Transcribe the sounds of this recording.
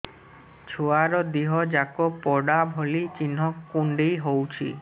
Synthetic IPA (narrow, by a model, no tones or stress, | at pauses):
t͡ʃʰuaɾɔd̪iɦɔd͡ʒakɔpːɔɽabʱolit͡ʃinɦɔkkːuɳɖejɦowt͡ʃʰḭ